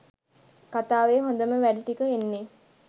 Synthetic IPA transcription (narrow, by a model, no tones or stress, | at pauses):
kat̪aːʋeːɦõnd̪əməʋæɖiʈikəenːe